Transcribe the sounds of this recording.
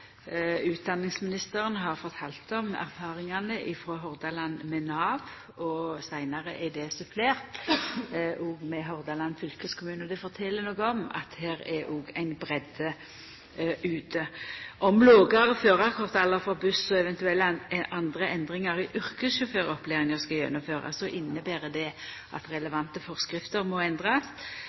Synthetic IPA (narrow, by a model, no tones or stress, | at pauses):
ʉːt̪̚d̪ɑnːɪŋsmɪnɪst̪əɾənɦɑʁfɔʁt̪ʰɑːlt̪ɔmæ̰ʁfɑːɾɪŋɑnəʔɪfɾoːɦɔʁd̪ɑlɑnmɛnɑːʋ | ɔsæɪnɑʁəʔɛd̪ɛsʉpʰleːʁt̪ | ʔuɡmɛɦɔʁd̪ɑlɑnːfʏlkəskʰʊmʉːnɔd̪ɛfɔɾt̪ʰɛlːənɔːɡəɔmɑ̰t̪heːɾɛʔuːɡæɪnbɾɛd̪ə | ʉːt̪əʔɔmloːɡɑɾføːʁɑɾkʰɔʁt̪ɛlːəfɔbʉssɔɛʋɛnt̪ʉɛlːɑnd̪ʁəʔɛnd̪ʁɪŋɑɾɪʔʉɾkəsʃɔføːɾɔpleːʁɪŋəskɑljɛ̰nːʊmføːɾɑ̰sɔʔɪnːəbæːɾəd̪ɛ | ʔɑ̰t̪ɾɛləʋɑnt̪əfɔʁskɾɪft̪əɾmɔɛnd̪ʁɑs